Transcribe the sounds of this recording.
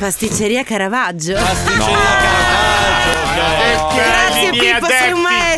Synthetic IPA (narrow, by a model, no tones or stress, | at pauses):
past̪it͡ʃːeɾiːakaɾavad͡ʒːoast̪it͡ʃːeɾiakaɾaad͡ʒo | ɡɾat̪sːjeipːosiumaɛ